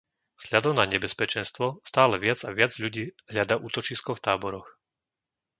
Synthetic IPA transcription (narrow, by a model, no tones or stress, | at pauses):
z̥ʎad̪ɔʊnaɲɛbɛspɛt͡ʃɛnst̪ʋɔst̪aːlɛʋɪad͡zaʋɪad͡zʎuɟiːɦʎad̪aʔuːt̪ɔt͡ʃiskɔft̪aːbɔɾɔx